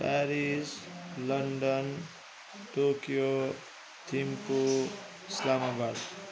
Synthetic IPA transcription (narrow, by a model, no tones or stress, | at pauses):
paɾislʌɳɖʌn | ʈokijo | t̪ʰimpo | islamabad̪